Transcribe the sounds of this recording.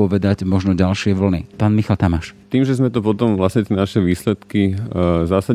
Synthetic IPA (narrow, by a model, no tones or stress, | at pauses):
ɔʋɛd̪aɟmɔʒnɔɟalʃɪɛʋl̩nipaːnmixalt̪amaʃt̪iːmʒɛzmɛt̪ɔpɔt̪ɔmʋlasɲɛt̪ɪɛnaʃɛʋiːslɛt̪kizaːsa